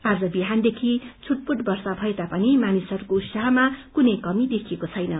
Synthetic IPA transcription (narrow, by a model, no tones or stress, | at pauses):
ad͡zʌbiɦand̪ekʰit͡sʰuʈ̚puʈbʌrsabʱʌet̪apʌnimanisʌɾukout̪saɦʌmakunʌjkʌmid̪ekʰijekot͡sʰʌjnʌ